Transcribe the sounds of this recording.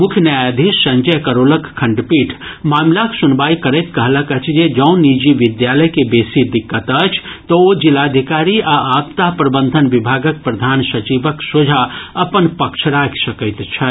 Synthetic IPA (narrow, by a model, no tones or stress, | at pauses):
mʊkʰjnjajad̪ʱisːə̃ɲd͡ʒəjkəɾoːləkkʰɐ̃ɳɖpiːʈʰmaːmlaksʊnbaːikəɾət̪kɐɦləkət͡ʃʰd͡ʒed͡ʒə̃ʊ̃nid͡ʒiʋɪd̪jaːləjkebeːsid̪ɪkːət̪ət͡ʃʰt̪ood͡ʒɪlaːd̪ʱikaːɾiaaːp̚t̪apɾəbənd̪ʱənʋɪbʱaːɡək̚pɾɐd̪ʱaːnsɐt͡ʃibəksod͡ʒʱaɐpənpɐkʃʰɾaːkʰsɐkəɪt̪t͡ʃʰɛ